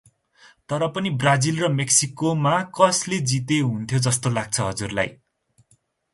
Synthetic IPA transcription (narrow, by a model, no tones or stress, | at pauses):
t̪ʌɾʌpʌnibrad͡zilrʌmeksikomakʌsled͡zit̪eɦunt̪ʰjod͡zʌst̪olaɡ̚t͡sʰʌɦʌd͡zurla̰j